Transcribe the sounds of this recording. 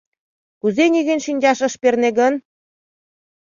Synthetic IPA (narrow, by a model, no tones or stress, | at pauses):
kuzenʲiɣenʲʃinʲd͡ʑɑʃɤ̆ʃperneɣən